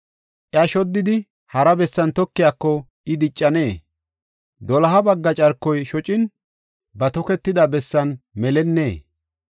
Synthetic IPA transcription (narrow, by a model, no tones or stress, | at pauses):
ʔjɐʃɔd̪ːɪd̪ɪ | hɐɾɐbɛsːɐnt̪ɔkːɪjakːɔ | ɪd̪ɪt͡ʃʼːɐne̞ː | d̪ɔlɐɦɐbɐɡːɐt͡ʃʼɐɾkːɔjʃɔt͡ʃʼɪn | bɐt̪ɔkɛt̪ːɪd̪ɐbɛsːɐnmɛlɛnːe̞ː